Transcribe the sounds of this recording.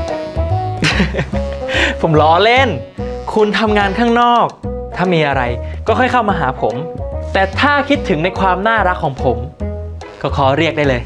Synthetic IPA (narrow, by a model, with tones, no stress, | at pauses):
pʰo˩˦mlɔː˨˦le˥˩n | kʰu˧nt̪ʰa˧mŋaː˧nkʰaː˥˩ŋnɔː˥˩k̚t̪ʰaː˥˩miː˧ʔa˧ɾa˧jkɔː˥˩kʰɔ˥˩jkʰa˥˩wmaː˧ɦaː˩˦pʰo˩˦mt̪ɛː˨˩t̪ʰaː˥˩kʰi˦˥t̪ʰːɯ˨˩˦ŋna˧jkʰwaː˧mnaː˥˩ɾa˦˥kʰːɔː˩˦ŋpʰo˩˦m | kɔː˥˩kʰɔː˩˦ɾi˥˩ək̚daː˥˩jlɤː˧j